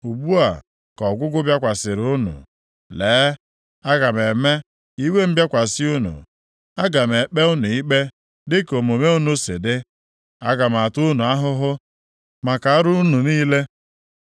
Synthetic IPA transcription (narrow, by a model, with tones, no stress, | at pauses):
u˨bu˦a˨ | kɔ˨ɡʷʊ˦ɡʊ˦bja˦kʷa˨sɪ˨ɾʊ˦nṵ˨ | leː˨˦ | a˦ɡa˨m˨e˨me˦ | i˦we˦m̩˦bja˦kʷa˨sɪ˦u˦nṵ˨ | a˦ɡa˨m˨e˨k͡pe˦ʊ˦nʊ˨i˦k͡pe˦ | dɪ˦ko˨m˨o˨me˦u˦nu˨sɪ̰˨dɪ˦ | a˦ɡa˨m˨a˨tu˦nu˨a˦ɦʊ˦ɦʊ˦ | ma˨ka˨a˦ɾʊ˦nu˨niː˦le˦